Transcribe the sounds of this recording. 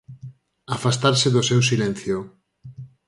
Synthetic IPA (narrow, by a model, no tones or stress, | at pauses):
afast̪aɾsɪðʊsewsilɛnθjo